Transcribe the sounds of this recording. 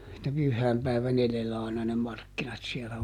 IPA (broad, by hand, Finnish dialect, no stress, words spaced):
etːæ pyhːæːmpæiʋæn eðelːæ ɑˑinɑ ne mɑrkːinɑt siɛlæ